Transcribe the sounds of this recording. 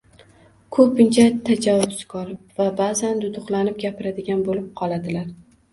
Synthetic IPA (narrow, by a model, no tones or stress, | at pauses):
kʰɵpɪnt͡ʃʰat̪ʰad͡ʒavɒbsɪ̥kʰɒɾɪpvabazand̪ʊd̪ʊχlˠanɪp̚ɡʲapɪɾad̪ɪɡʲanbolɪp̚qʰɒlˠad̪ɪlaɾ